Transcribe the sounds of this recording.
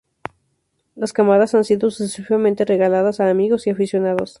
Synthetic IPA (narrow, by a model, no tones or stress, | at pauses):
laskamaðasansiðo̞susesifamẽnt̪e̞re̞ɣalaðasaːmiɣo̞siafisjo̞naðos